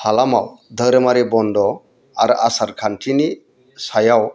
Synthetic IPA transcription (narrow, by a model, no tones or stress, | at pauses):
halamawd̪ʱəɾəmaɾibɔnd̪ɔ | aɾasaɾkʰanʈʰini | sajaw